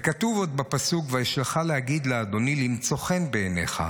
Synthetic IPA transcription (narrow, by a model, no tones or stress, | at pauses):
kat̪uvo̞d̪̚bapasukveeʃleχalehaɡid̪lead̪o̞nilimt͡so̞χe̞nbeːne̞̰χa̰